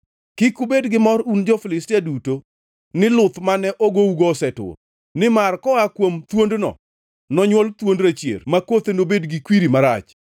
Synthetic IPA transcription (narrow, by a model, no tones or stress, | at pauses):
kɪkubedɡɪmɔɾund͡ʒɔfɪlɪstiaduto | nɪlʊt̪manɛʔoɡouɡoːsɛtʊ̰r | nɪmarkɔakwomt̪wondnɔ̰ | nɔɲwɔlt̪wondɾat͡ʃjḛrmakot̪enobedɡɪkwiɾimaɾa̰t͡ʃ